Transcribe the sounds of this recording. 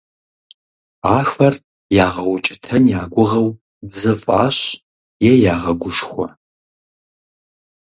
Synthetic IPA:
aːxɐr | jaːʁɐwʊt͡ʃʼɪtʰɐnjaːɡʷʊʁɐw | d͡zɨfʼaːɕ | jɛjaːʁɐɡʷʊʂxʷɔ̰

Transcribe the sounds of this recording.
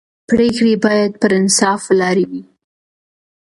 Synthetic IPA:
pɾekɽebɑjad̪̚pəɾɪnsɑflɑɾewi

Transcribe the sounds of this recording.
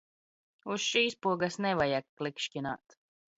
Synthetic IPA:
usʃiːspuɔɡasnɛvajakklikʃcʲina̰ːt̪

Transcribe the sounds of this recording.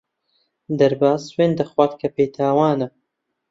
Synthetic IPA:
d̪ɐɾbaːzweːnd̪ɐxwaːt̪kʰɐpejt̪ʰaːwaːnɐ

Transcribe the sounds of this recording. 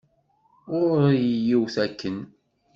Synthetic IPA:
ʊɾjəjiwθækːən

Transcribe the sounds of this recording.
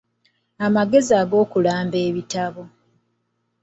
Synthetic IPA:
amaɡe̞ziaːɡo̞ːkulaːmbeːβitaβo̞

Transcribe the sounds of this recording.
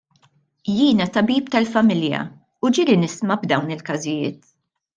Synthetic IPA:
jiːnɐt̪ɐbiːp̚t̪ɐlfɐmɪljɐ̰ | ud͡ʒɪɾinɪsmɐbd̪ɐwnɪlkɐzɪjɪːt̪

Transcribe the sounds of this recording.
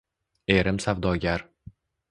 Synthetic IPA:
e̞ɾɪmsawd̪ɒɡʲaɾ

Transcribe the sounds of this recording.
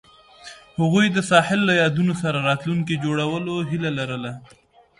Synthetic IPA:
haɣujd̪əsɑhɪlːajɑd̪unosaɾaɾɑt̪luŋkid͡ʒoɽawəloɦilalaɾəla

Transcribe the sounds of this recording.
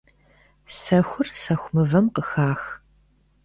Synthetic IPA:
sɐxʷʊrsɐxʷʊmɨvɐmqəxaːx

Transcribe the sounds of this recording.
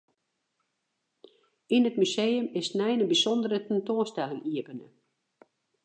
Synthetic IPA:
inətmysejəmɪsnɛjnəbisɔndəɾətɛntoːənstɛlɪŋiəpənə̰

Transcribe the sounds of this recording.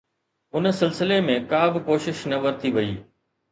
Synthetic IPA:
ʊnsɪlsɪlemẽkaːbɪkoːʃɪʃnɐʋɐɾt̪ʰiʋɐḭː

